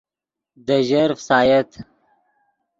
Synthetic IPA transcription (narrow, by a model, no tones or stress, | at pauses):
d̪əʒɐɾfsaːjɐt̪